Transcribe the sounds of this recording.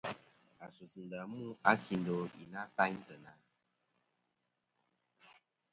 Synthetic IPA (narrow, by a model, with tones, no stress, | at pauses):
a˨su˨su˨n˨da˨mu˦a˦kʰi˧n˦do˧ḭ˨na˦sa˦ɲ˦tə˨na˨